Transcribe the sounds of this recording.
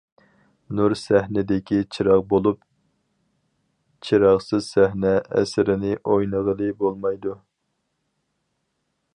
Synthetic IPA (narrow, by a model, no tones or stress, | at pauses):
nuɾsæhnɪd̪ɪkʲit͡ʃʰiɾɑqbolˠup | t͡ʃʰiɾɑχsɨzsæhnɛʔɛ̰sɪɾɪnɪʔojnəʁəlˠɨbolˠmɑjd̪u